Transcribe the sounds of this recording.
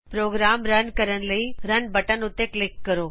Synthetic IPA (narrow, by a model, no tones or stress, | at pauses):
pɾoːɡɾaːmɾɐnkəɾəɽ̃ləiɾɐnbɐʈənʊt̪ːeklɪkːɐɾoː